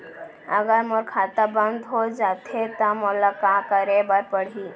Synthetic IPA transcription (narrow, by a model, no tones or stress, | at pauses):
əɡəɾmoɾkʰat̪abə̃nd̪ɦod͡ʒat̪ʰet̪amolakakəɾebəɾpəɽ̤iː